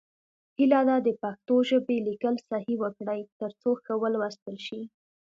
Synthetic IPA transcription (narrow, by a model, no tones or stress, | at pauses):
hilad̪ɑd̪əpaxt̪oʒəbelikəlsahiwəkɽajt̪əɾt͡soxawəlwast̪əlʃi